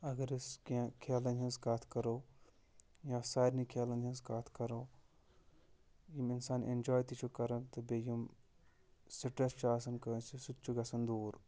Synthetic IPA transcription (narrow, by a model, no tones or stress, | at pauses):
ɐɡɐɾiskãkʰeːlɐnɦɐ̃nsɡat̪ʰkɐɾoː | jãːsaːjɾnikʰeːlɐnd͡ʒɐ̃nskat̪ʰkɐɾoː | jiminsaːnʔḛnd͡ʒɔːjt̪it͡ʃʰukɐɾɐnt̪obejim | siʈɐst͡ʃaːsɐnkɐsisut̪t͡ʃʰuɡɐsɐnd̪uːɾ